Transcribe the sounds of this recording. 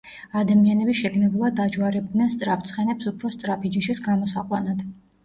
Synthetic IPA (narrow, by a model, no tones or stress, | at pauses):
ad̪amianɛbiʃɛɡnɛbulˠad̪ad͡ʒwaɾɛb̚d̪nɛnst̪sʼɾap̚ʰt̪sʰχɛnɛpsupʰɾɔst̪sʼɾapʰid͡ʒiʃisɡamɔsaqʼwanad̪̥